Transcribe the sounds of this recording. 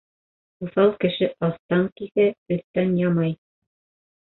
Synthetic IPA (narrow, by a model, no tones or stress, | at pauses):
uθɑlˠkɘ̆ʃɘʔɑθt̪ɑŋkiθæɵ̆θt̪ːænjɑmɑj